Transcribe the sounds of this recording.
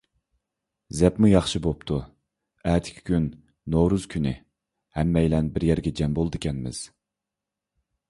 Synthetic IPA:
zɛpmujɑχʃɨbopt̪ʰu | æːt̪ʰɪ̥kʲʰi̥kʲynː | owɾuz̥kʲʰynɪ̰ | hɛmːɛjlɛnbɪɾjɛɾɡʲɛd͡ʒɛmbolˠd̪ɨkʲʰɛnmɪ̰z̥

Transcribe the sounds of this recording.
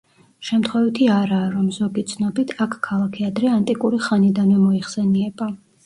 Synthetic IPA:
ʃɛmt̪ʰχwɛvit̪ʰiaɾaːɾɔmzɔɡit̪sʰnɔbit̪ʰakʰkʰːalˠakʰɛad̪ɾɛant̪ʼikʼuɾiχanid̪anvɛmɔiχsɛniɛba

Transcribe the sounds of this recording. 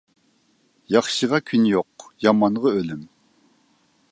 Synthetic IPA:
jɑχʃəʁɑkʲʰynjoq̚jɑmɑnʁəølym

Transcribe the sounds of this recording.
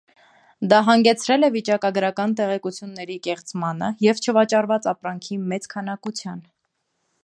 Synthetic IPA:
d̪ɑɦɑŋɡɛt͡sʰɾɛlɛvit͡ʃɑkɑɡɾɑkɑnt̪ɛʁɛkut͡sʰjunːɛɾikɛχt͡smɑnə̰jɛvt͡ʃʰəvɑt͡ʃɑɾvɑt͡sɑpɾɑŋkʰimɛt͡skʰɑnɑkut͡sʰjɑn

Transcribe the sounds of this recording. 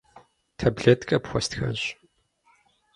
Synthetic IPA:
tʰɐbɮetkʰʼɐpxʷɔstxɐ̰ʑ

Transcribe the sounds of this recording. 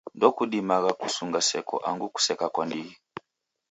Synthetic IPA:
ndɔkuɗimaɣaku̥suŋɡasɛkɔ̰ʔaŋɡuku̥sɛkakwandiɣi

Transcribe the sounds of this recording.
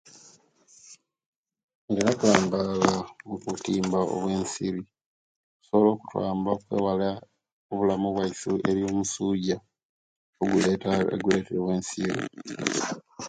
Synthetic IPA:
ŋɡenakaːmbaɣamukutiːmbao̰βwe̞ːnsiɾi | oku̥so̞βolo̞ːku̥twa̰ːmbakwe̞̰ːwala | oβulamuβwaisiʔe̞ɾjo̞ːmusuːɟa | oɡuleḛɡule̞ːteɾeβwe̞ːnsiɾi

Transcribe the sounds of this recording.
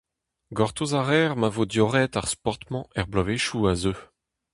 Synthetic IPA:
ɡɔʁt̪ozaʁɛːʁmavod̪jɔʁɛt̪aʁspɔʁt̪mɑ̃ɛʁblɔveʃuazø

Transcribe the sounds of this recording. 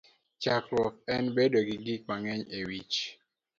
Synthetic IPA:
t͡ʃakɾɔk̚ɛnbedoɡiɡik̚maŋɛɲewit͡ʃ

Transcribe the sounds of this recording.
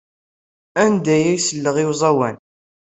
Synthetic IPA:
ænd̪æjæjsəlːəʁiwzˤɑwæn

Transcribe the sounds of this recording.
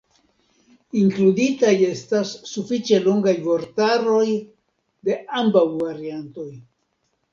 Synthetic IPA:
iŋkluditaje̞stasːufit͡ʃe̞lo̞ŋɡajvo̞ɾtaɾo̞j | de̞ambawvaɾianto̞j

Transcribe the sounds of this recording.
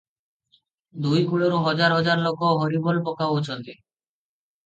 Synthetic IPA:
d̪ujkuɭoɾuɦɔd͡ʒaɾɦɔd͡ʒaɾlokɔɦɔɾibɔlpɔkaoot͡ʃʰɔnt̪e

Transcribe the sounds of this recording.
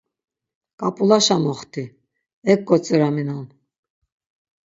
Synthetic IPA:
kʼapʼulaʃamɔχt̪ʰi | ɛkːʼɔt͡sʼɛɾaminan

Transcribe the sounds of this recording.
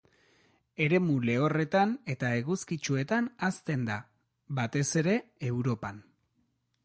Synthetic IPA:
e̞ɾe̞mule̞o̞re̞t̪ane̞t̪ae̞ɣuskit͡ʃue̞t̪anast̪e̞nd̪a | bat̪e̞se̞ɾe̞ewɾo̞pan

